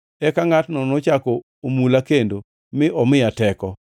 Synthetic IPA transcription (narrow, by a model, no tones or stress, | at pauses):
ɛkaŋatnɔnɔt͡ʃako | omulakendo | mɪʔɔmɪjatɛkɔ